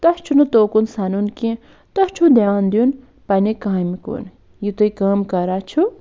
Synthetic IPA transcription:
t̪ɐst͡ʃʰunut̪oːkunsɐnunkĩ | t̪ɐst͡ʃʰud̪ʱjaːnd̪jun | pɐnikamiko̰ːn | jit̪uikaːmkɐɾaːt͡ʃʰu

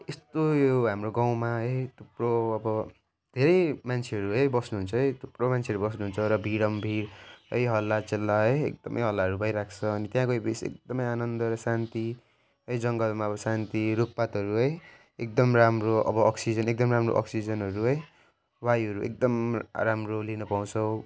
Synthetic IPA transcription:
est̪ojoɦamroɡaw̃maɦʌjt̪ʰuproʌbʌ | d̪ʱeɾʌjmant͡sʰeʌɾuɦʌjbʌsnuɦunt͡sʰʌɦʌjt̪ʰupromant͡sʰeʌɾubʌsnuɦunt͡sʰʌɾʌbʱiɽʌmbʱiɽɦʌjɦʌlːat͡selːaɦʌjḛk̚d̪ʌmʔʌ̰jɦʌlːaɦʌɾubʱʌjɾakʰt͡sʰʌːnit̪jãkobisḛk̚d̪ʌmʌjanʌnd̪ʌɾʌsant̪i | ɦʌjd͡zʌŋɡʌlmaʌbʌsant̪iɾup̚pat̪ɦʌɾuɦʌj | ek̚d̪ʌmramroʔʌ̰bʌʌksid͡zʌnek̚d̪ʌmramro̰ʔʌ̰ksid͡zʌnɦʌɾuɦʌj | wajʌɾuʔḛk̚d̪ʌmramrolinʌpaw̃t͡sʰʌw

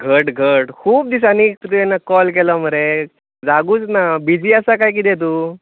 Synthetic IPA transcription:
ɡʱəʈɡʱəʈkʰuːb̚d̪is̬aniːk̚t̪ut̪ujɛnːakɔlk̬elɔm̤əɾe | d͡zaɡuːt͡snabid͡ʑiːasakajk̬id̪ɛ̃t̪̬uː

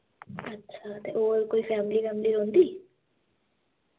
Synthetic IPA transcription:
ɐtːʃʰat̪eʔoɾkojfɛmilifɛmliɾont̪i

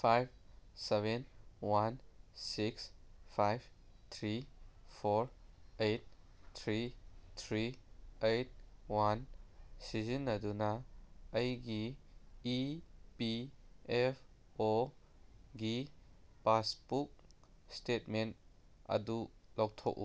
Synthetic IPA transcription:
pʰajb̚seβenwansikspʰajb | t̪ʰɾipʰoɾejt̚ | t̪ʰɾit̪ʰɾiejt̚wansizinːɐdunɐː | jɡiipiepʰ | o | ɡipaspuk̚ | stet̚ment | ɐ̰dulɔwk̚tʰɔ̰kṵ

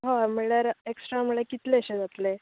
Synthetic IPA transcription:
ɦãmeɭjaɾeksʈɾaməɭjekit̪leəɕed͡zat̪le

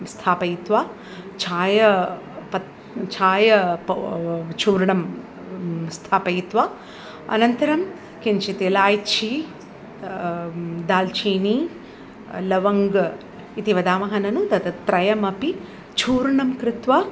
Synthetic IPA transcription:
st̪ʰaːpɐjit̪ʋaː | t͡ʃʰaːjɐ | pɐ | t͡ʃʰaːjɐ | t͡ʃʰuːɾɳɐm | st̪ʰaːpɐjit̪ʋaː | ɐ̰nɐnt̪ɐɾɐm | kiɲt͡ʃit̪elaːjt͡ʃʰi | d̪aːlt͡ʃʰiːni | lɐʋɐŋɡ | it̪iʋɐd̪aːmɐɦɐnɐnut̪ɐt̪ɐt̪ɾɐjɐmɐpi | t͡ʃʰuːɾɳɐmkɾɪt̪ʋa

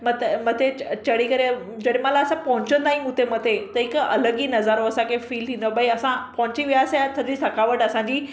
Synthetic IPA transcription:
mɐt̪mɐt̪ʰet͡ɕɐɽikəɾe | d͡ʑɐɽemãlaːsãpɐɦʊ̃ɲt͡ɕə̃nd̪aɦĩɦũt̪ʰemɐt̪ʰet̪ɐɦɪkɐ̰ləɡinɐzaːɾoɐsãkʰefiːlt̪ʰĩːnd̪obɐiɐsãpɐɦʊ̃ɲt͡ɕiʋijaːst̪ʰɐisɐkaʋəʈɐsãɲd͡ʑiː

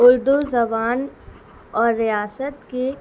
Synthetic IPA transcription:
ʊɾd̪uzɐbaːn | ɔːɾːijaːsət̪ke

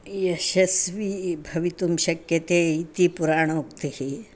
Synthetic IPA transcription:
jɐʃɐsʋibʱɐʋit̪umʃɐkjɐt̪eːit̪ipuɾaːɳ̃ukt̪ihi

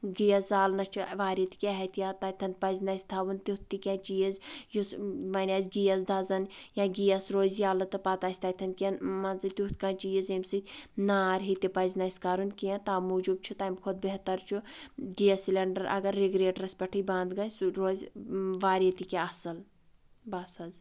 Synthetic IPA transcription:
ɡijɐsaːlnɐt͡ʃʰuʋaːɾjɐt̪i̥kʲeɦɐt̪jãːt̪ɐt̪ʰɐnt̪̚pɐzʲnɐsʲt̪ʰaʋunt̪ut̪ːikʲãːt͡ʃijɐzjusmɐnʲɐːzʲɡijɐzd̪ɐzɐnjãːɡijɐsɾoːzjaːlɐt̪ɨpat̪aːsʲt̪ɐt̪ʰɐn̚kʲẽnmɐnzɨt̪ʲut̪ʰkãːnt͡ʃiːjɐzɐmsɨt̪ʲnaːɾɦit̪ipɐzʲnɐsʲkɐɾunkiɐt̪aːmuːd͡ʒub̚t͡ʃʰut̪aːmkʰod̪̚beɦt̪ɐɾt͡ʃʰuɡijɐsilʲɐɳɖɐɾʔɐ̰ɡɐɾːiɡɾeːʈɾɐsʲpʲɐʈʰijbãːnd̪ɡɐjsuɾoːzʲʋaːɾjɐt̪ikʲaɐsɐl | bɐsɐz

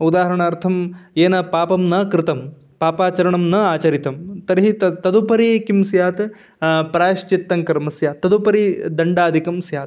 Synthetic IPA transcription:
ud̪aːɦɐɾɐɳɐːɾt̪ʰɐmeːnɐpaːpɐmnɐkɾɪt̪ɐm | paːpaːt͡ʃɐɾɐɳɐmnɐaːt͡ʃɐɾit̪ɐmt̪ɐɾɦit̪ɐt̪ɐd̪upɐɾikimsjaːt̪ | pɾaːʃt͡ʃit̪ːɐŋkɐɾmɐsjaːt̪ːɐd̪upɐɾid̪ɐɳɖaːd̪ʱikɐmsjaːt̪

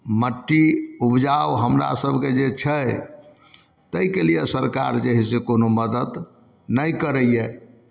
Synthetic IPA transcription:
məʈːiupd͡ʒaʋɦəmɾa̰səbʱked͡ʒet͡ʃʰəj | t̪əjkelijesəɾka̰ɾd͡ʒeɦisekonoməd̪əd̪ | nəjkəɾəjje

